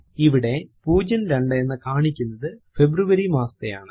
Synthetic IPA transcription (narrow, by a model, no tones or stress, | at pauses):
iʋiɽe̞puːd͡ʑɐnɾeɳɖɐenːɨkaːɳikʲːunːɐðɨfebɾuʋɐɾimaːsɐ̥t̪ejaːɳɨ